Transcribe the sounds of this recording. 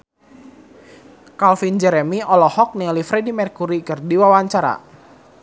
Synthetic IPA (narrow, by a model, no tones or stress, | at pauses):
kalfind͡ʒɛɾɛmiɔlɔhɔk̚nilifɾɛdimɛrkuɾikɨrdiwawaɲt͡ʃaɾa̰